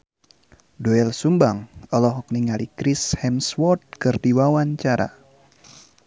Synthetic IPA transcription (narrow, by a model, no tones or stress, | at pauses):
doɛlsumbaŋɔlɔɦɔk̚niŋalikɾishɛmswɔt̪̚kɨrdiwawaɲt͡ʃaɾa̰